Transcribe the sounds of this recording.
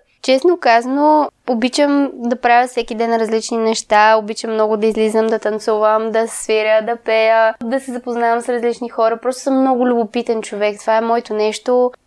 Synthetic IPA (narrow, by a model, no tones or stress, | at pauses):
t͡ʃɛsnokazənoobit͡ʃəmd̪ɐpɾavʲjəsɛkid̪ɛnɾɐzlit͡ʃninɛʃt̪aobit͡ʃəmːnɔɡʊd̪ɐizlizəmd̪ɐt̪ɐnt̪suvəmd̪ɐsviɾʲəd̪ɐpɛjəd̪ɐsɛzɐpoznavɐmsɾɐzlit͡ʃnixɔɾɐpɾɔst̪o̥səmːnɔɡʊlʲʊbopit̪ɛnt͡ʃovɛkt̪ovaɛmɔjt̪onɛʃt̪o